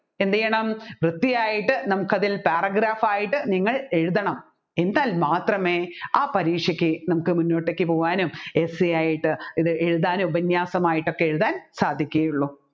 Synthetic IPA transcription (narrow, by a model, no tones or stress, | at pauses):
e̞nd̪ɐjɐɳɐmʋrɨt̪ːijaːjiʈːɨnɐmukːɐðilpaːrɐɡɾaːfaːjiʈːɨniŋːɐɭe̞ɻuðɐɳɐm | e̞nd̪aːlmaːt̪rɐme̞ːaːpɐɾiːkʂjɐkʲːɨnɐmukːɨmunːo̞ːʈːekːɨpo̞ːʋaːnumesijaːjiʈːɨiðɨʔe̞ɻuðaːnubɐnjaːsɐmaːjiʈːo̞kːeeɻuðaːnsaːd̪ʱːikʲːuɣɐjuɭːuː